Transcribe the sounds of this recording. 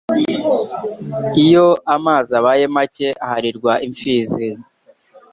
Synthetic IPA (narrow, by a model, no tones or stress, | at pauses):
ijo̞ʔamaːzaβajemace̞ʔahaɾiɾɡwaʔiɱfiːzi